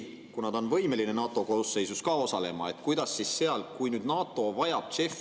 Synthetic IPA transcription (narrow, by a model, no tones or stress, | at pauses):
kunɑd̪̥o̞nvɤ̞jme̞line̞nɑːt̪ːˑo̞kosːe̞jsuskɑːo̞sɑle̞mɑ̰e̞t̪kujd̪̥ɑsːisse̞ɑlkujnyːd̪nɑːt̪ˑo̞vɑjɑb̥̚t̪se̞f